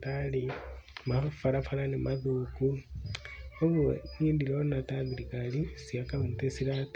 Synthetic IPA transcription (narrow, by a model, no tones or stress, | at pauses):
talimafaɾafalanemʔaðuːku | oβwoɲiːndiloonataðilikalisiakaβentesilat